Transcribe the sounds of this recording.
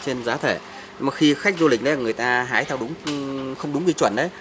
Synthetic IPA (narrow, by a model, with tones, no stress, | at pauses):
t͡ɕe˧nzaː˨˦t̪ʰe˧˩ | maː˨˩xi˧xa˦˥k̟̚zu˧lï˨˩k̟̚ə˨˦˨ŋɨ˨˩əjt̪aː˧ɦaː˨˦jt̪ʰɛ˧wɗʊ˨˦ŋ͡mxə˧wŋ͡mɗʊ˨˦ŋ͡mi˧˩t͡ɕwə̰˧˩˨nʔə˨˦j